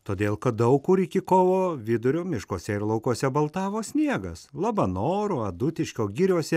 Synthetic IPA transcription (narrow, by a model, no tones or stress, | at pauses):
t̪oːd̪ʲeːlˠkɐt̪̚d̪ɐʊkkʊɾɪkʲɪkoːʋoːʋʲɪd̪ʊɾʲoːmʲɪʃkoːsʲɛɪɾlˠɐʊkoɔsʲɛbɐlˠt̪ɑːʋoːsʲnʲiɛɡɐslˠɑːbɐnoːɾoːɐd̪ʊt̪ʲɪʃʲkʲoːɡʲɪɾʲuɔsʲɛ